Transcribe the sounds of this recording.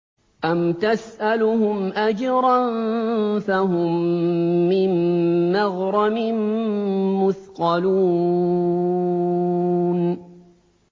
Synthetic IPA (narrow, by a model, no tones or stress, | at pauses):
ʔamt̪asʔalʊhʊmʔad͡ʒɾˤɑnfaɦʊmː | ɪnːaɣɾˤɑmɪn | mʊθqɑluː | n